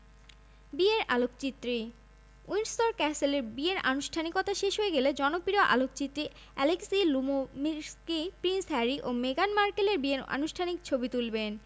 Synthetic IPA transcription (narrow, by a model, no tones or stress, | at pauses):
bieɾa̰lok̚t͡ɕit̪ːɾi | ujnst̪oɾkɛseleɾbieɾʔa̰nuʃʈʰanikɔt̪aʃeʃɦoeɡeled͡ʑɔnopiɾoʔa̰lok̚t͡ɕit̪ːɾi | ɛleksilumomiɾskipɾinsɦɛɾiʔomeɡanmaɾkeleɾbieɾa̰nuʃʈʰanik̚t͡ɕʰobit̪ulben